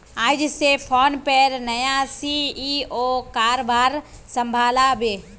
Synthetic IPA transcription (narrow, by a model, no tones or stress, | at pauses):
aːd͡ʒsepʰoːnpeɾnɐjãsiioːkaːɾobaːɾ | sɐ̃mbʱaːlabʱeː